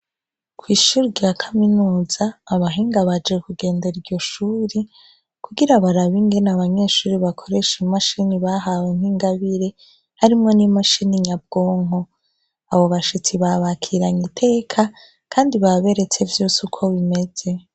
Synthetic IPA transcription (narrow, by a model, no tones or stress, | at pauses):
kwiːʃuɾijakʰaminuːz̥aːβaɦiːŋɡaβad͡ʒe̞kuɡe̞ːndeɾɟo̞ʃuːɾi | kuɡiɾaβaɾaβiŋɡe̞naβaɲe̞ːʃuːɾiβakʰo̞ɾe̞ʃimaʃiniβaɦawen̥hiŋɡaβiɾe̞ | haɾimŋo̞nimaʃiniɲab̚ɡ̥o̞ːŋo̞ | aβo̞βaʃit͡siβaβakʰiɾaɲitʰe̞ːkʰa | kʰaːndiβaβe̞ɾe̞t͡sevjuːsukʰo̞βime̞z̥e̞